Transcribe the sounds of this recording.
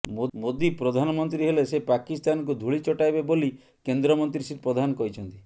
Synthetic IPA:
momod̪ipɾɔd̪ʱanɔmɔnt̪ɾiɦelesepakist̪anɔkud̪ʱuɭit͡ʃɔʈajbeboli | kend̪ɾɔmɔnt̪ɾisiɾpɾɔd̪ʱanɔkɔɦit͡ʃʰɔnt̪i

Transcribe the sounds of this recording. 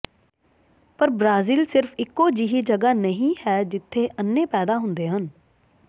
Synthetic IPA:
pəɾbɾaːziːlsɪɾfʰɪkːoːd͡ʒiɦiːd͡ʒəɡaːnəɦĩːhɛːd͡ʒɪt̪ʰːeːʔənːeːpɛːd̪aːɦʊ̃nd̪eːɦən

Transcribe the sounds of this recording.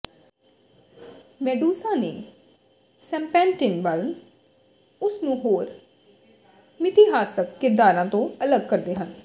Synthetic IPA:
mɛːɖuːsãːneː | sɛ̃ːmpɛ̃ːnʈɪnʋəl | ʊsnũːɦoːɾ | mɪt̪iːɦaːst̪əkːɪɾd̪aːɾãːt̪õːələɡkəɾd̪eːɦən

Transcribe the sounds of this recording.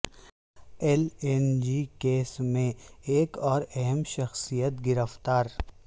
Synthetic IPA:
elend͡ʒikeːsmẽeːkɔːɾɛɦɛmʃɐxsijət̪ɡɪɾəft̪aːɾ

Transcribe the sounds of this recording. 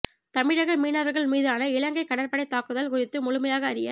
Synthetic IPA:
t̪ɐmɪɽɐɣɐɭmiːnɐʋɐɾɣɐɭmiːðaːnɐɪlɐŋɡɐɪkːɐɽɐɾpɐɽɐɪt̪ːaːkɯðɐlkʊrɪt̪ːɯmʊɻʊmɐjaːɣɐːɾɪjɐ̰

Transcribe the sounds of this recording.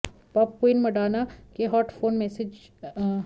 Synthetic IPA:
pɔp̚koinmɐɖaːnakeɦɔːʈfoːnmesɪd͡ʒ

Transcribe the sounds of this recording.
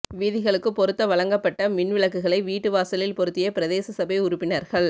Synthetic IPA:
ʋiːðɪɣɐɭɯkːɯpːɔɾɯt̪ːɐʋɐɭɐŋɡɐpːɐʈːɐmɪɳʋɪɭɐkːɯɣɐɭɐɪʋiːʈːɯʋaːsɐlɪlpɔɾɯt̪ːɪjɐpɪɾɐðeːsɐsɐbɐɪʊɾʊpːɪnɐɾɣɐɭ

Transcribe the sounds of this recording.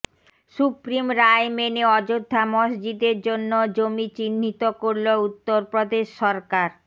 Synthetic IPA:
ʃupɾimɾaemeneɔd͡ʑod̪ʱːamoʃd͡ʑid̪eɾd͡ʑonːod͡ʑomit͡ɕinːit̪okoɾlout̪ːoɾpɾod̪eʃːɔɾkaɾ

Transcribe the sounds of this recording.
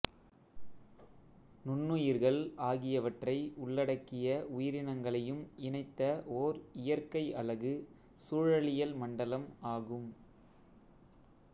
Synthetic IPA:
nʊnːɯjɪɾɣɐɭaːɣɪjɐʋɐʈrɐɪʊɭːɐɽɐkːɪjɐʊjɪɾɪnɐŋɡɐɭɐjɯmɪɳɐɪt̪ːɐʔoːɾɪjɐɾkɐɪʔɐlɐɣɯ | suːɻɐɭɪjɐlmɐɳɖɐlɐmaːɣɯm

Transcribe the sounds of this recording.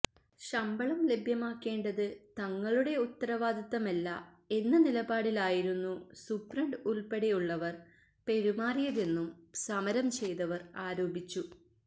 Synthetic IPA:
ɕɐmbɐɭɐmle̞bʱjɐmaːkːe̞ːɳɖɐðɨt̪ɐŋːɐɭuɽe̞ut̪ːɐɾɐʋaːd̪ɐt̪ːɐmɐlːɐ | e̞nːɐnilɐbaːɽilaːjiɾunːusuprɐɳɖulpeɽejuɭːɐʋɐr | pe̞ɾumaːrijɐðe̞nːumsɐmɐɾɐmt͡ɕe̞jt̪ɐʋɐraːɾoːbʱit͡ɕːu

